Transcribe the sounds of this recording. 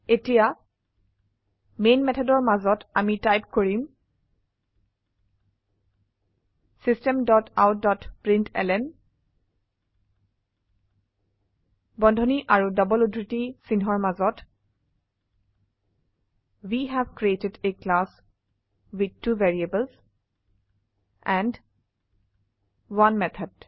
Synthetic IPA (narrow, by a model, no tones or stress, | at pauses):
etija | menmɛtʰɔdɔɹmazɔtamitajpkoɹim | sistɛmdɔta̰wdɔtpɹintʰɛ̰lɛn | bɔ̃ndʱɔniʔaɹudɔbɔludɹitisinɦɔɹmazɔt | wiɦɛbkɹietedeklas | wid̪̚tuvɛɹiebəlz | ɛ̃nd | wanmɛt̪ʰəd̥